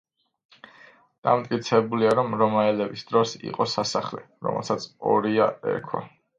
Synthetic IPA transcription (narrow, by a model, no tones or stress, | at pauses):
d̪̥amt̪ʼkʼit̪sʰɛbuliaɾɔmɾɔmaɛlɛbisd̪̥ɾɔsḭqʼɔsasaχlɛ | ɾɔ̰mɛ̰lˠsat̪sʰɔɾiaɛ̰ɾkʰwa̰